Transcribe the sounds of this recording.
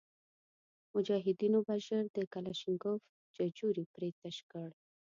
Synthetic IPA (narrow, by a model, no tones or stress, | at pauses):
mʊd͡ʒɑɦɪd̪inobaʒəɾd̪əkalaʃɪŋɡof | d͡ʒad͡ʒuɾipɾet̪aʃkəɽ